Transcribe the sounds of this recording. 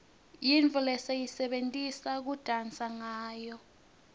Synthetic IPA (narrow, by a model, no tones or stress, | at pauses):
jiɱvʱulɛsejisɛɓentʼisak̬ud̥ʱant͡sʼaŋaːjɔ